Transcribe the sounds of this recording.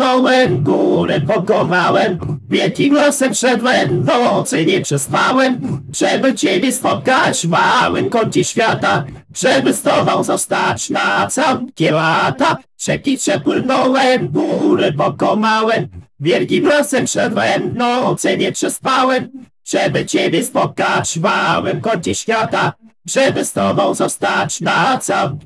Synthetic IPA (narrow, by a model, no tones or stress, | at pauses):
ɔwɛɡuɾɛpɔkɔmawɛmvʲjɛlkʲiɡwɔsɛmpʂɛd̪wɛd̪ɔt̪sɛɲɛpʂɛspawɛmʂɛbɘt͡ɕɛlʲɛspɔt̪̚kad͡ʑmawɛmkɔɲt͡ɕɛɕfʲjat̪a | ʂɛbɘst̪ɔvawzɔst̪at͡ʂnat̪sawkʲɛlat̪a | ʂɛpʲitʂɛpwɪnɔwɛɡuɾɘbɔkɔmawɛvʲjɛlkʲipɾɔsɛmʂɛd̪vɛnd̪nɔwɔt̪sɛɲɛpʂɛspawɛm | ʂɛbɘt͡ɕɛbʲjɛspɔt̪̚kat͡ɕvawɛmkɔɲt͡ɕɛɕfʲjat̪aʐ̥ɛbɘst̪ɔvawzɔst̪at͡ɕnat̪saw